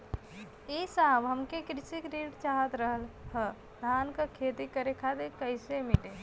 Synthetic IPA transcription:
esaːbɦəmkekɾɪsikɾiːʈt͡ʃaɦət̪ɾəɦəlhə | d̪ʱaːnkakʰeːt̪ikəɾekʰad̪ekəɪsemɪʈe

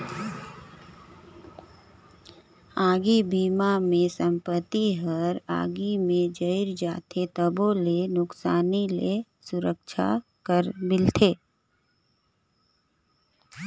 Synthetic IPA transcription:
aːɡibiːmamẽsə̃mpət̪iɦəɾa̰ːɡimẽd͡ʒəɪɾd͡ʒaːt̪ʰet̪əbolenʊksaːnile | sʊɾəkʃʰa̰kəɾmɪlt̪ʰeː

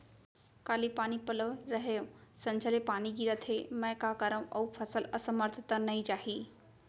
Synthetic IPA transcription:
kaːlipaːnipɐləʋɾɐɦejõsɐ̃nɲd͡ʒʱəlepaːnid͡ʑiɾət̪ʰemɛ̃kaːkəɾə̃ʔɐupʰəsələsəməɾt̪ʰɪt̪ənɐĩt͡ʃaːɦiː

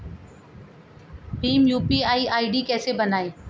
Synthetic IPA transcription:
ʈiːmjuːpiːaːiːʔaːiːɖiːkɛːsebənaːeː

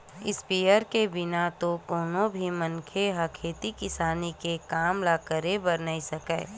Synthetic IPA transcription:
ɪ̰spiːjəɾkebɪnat̪okoːnõbʱimɐ̃nkʰeɦɐkʰeːt̪ikɪsaːnikekaːmlaːkəɾebɐɾnaisɐkɛ̰ː

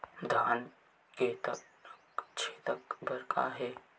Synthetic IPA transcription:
d̪ʱaːn | ket̪ə | kt͡ʃʰeːt̪əkbʱəɾkʰa̰ɦeː

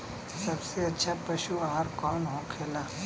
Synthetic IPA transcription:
sɐbseɐtːʃʰapɐʃuaɦɾkɔːnɦõkʰeːlaː

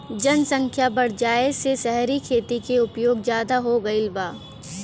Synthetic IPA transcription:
d͡ʒɐnsɐ̃ŋkʰjabɐɽ̤d͡ʒaːesesɛɦɾikʰeːt̪ikeʊpjoːɡzjaːd̪aɦoɡɐɪlbaː

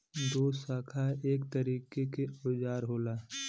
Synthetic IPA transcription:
d̪oːsaːkʰaeːkt̪əɾiːkekeʊd͡ʒaːɾɦoːlaː

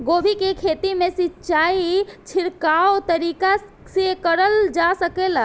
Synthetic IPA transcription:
ɡobʱikekʰet̪imesitːt͡ʃait͡ʃʰiɾkaot̪əɾika | sekəɾəld͡ʒasəkela

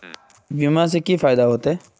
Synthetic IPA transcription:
bimãs̬ekifaːɪd̪aɦoːt̪e

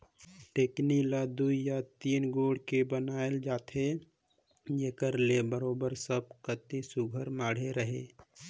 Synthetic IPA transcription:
ʈeːknilad̪uijat̪iːnɡoːɽ̤kebənaːeld͡ʒaːt̪ʰe | d͡ʒeːkəɾlebəɾoːbəɾsəb̚kət̪ĩsʊɡʱəɾmaːɽ̤eɾəɦeː

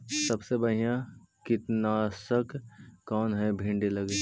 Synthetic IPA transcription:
sɐbsebɐɦijã | kɪt̪nasəkkɔːnɦɛbʱɪ̃ɳɖeləɡe

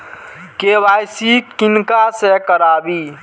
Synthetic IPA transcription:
kewaːjsiɪnkasekəɾaːbiː

